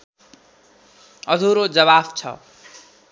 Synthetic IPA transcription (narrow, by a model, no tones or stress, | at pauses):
ʌd̪ʱuɾod͡zʌβabt͡sʰʌ̰